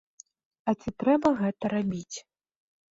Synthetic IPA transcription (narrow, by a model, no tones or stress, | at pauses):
ɐt͡sʲit̪ɾɛbɐɣɛt̪ɐɾabʲit͡sʲ